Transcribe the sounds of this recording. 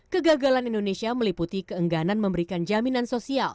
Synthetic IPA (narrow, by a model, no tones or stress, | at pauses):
kəɡaɡalanindonesiaməliput̪ikəəŋɡananməmbəɾikand͡ʒaminansosial